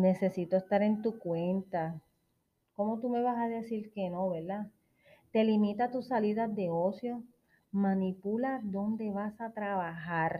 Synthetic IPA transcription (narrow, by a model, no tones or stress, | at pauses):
ne̞se̞sit̪oest̪aɾe̞nt̪ukwe̞nt̪a | ko̞mo̞t̪ume̞βasaðe̞siɾke̞no̞βeɾd̪a | t̪e̞limĩt̪at̪usːaliðazd̪e̞o̞sjo̞ | mãnipulad̪o̞nd̪e̞βasat̪ɾaβahaɾ